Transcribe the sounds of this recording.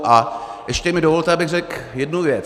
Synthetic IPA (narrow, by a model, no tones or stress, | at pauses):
ʔaʔɛʃcɛmɪdovolt̪ɛabɪɣrɛkjɛdnuvjɛt͡s